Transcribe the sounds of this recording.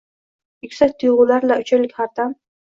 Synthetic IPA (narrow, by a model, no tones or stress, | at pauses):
ɪkʲsat̪ʰʊjʁʊlaɾlaʊt͡ʃʰalɪkʲhaɾt̪am